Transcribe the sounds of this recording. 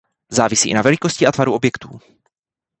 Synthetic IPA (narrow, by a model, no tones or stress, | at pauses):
zaːvɪsiːʔɪ̰navɛlɪkoscɪʔat̪vaɾuʔobjɛkt̪uː